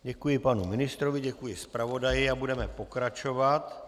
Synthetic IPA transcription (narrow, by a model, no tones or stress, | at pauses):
ɟɛkujɪpanumɪnɪst̪ɾovɪɟɛkujɪspɾavo̞dajɪabudɛmɛpo̞kɾat͡ʃo̞vat̪